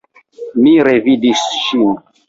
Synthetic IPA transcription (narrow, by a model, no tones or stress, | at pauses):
miɾevidisʃin